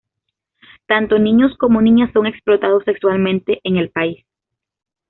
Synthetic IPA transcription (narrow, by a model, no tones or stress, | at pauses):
t̪ant̪o̞nĩɲo̞sko̞mo̞nĩɲasːo̞ŋe̞ksplo̞t̪aðo̞se̞kswalmẽnt̪e̞ʔeŋe̞lpais